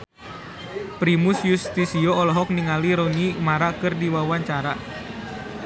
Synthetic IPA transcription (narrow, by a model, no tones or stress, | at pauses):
pɾimʊsjust̪isiɔɔlɔɦɔk̚niŋaliɾonimaɾakɨrdiwawaɲt͡ʃaɾa